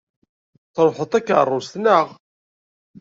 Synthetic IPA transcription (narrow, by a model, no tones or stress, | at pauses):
θɾˤoħət̪ˤækə̰rˤːʊst̪nəʁ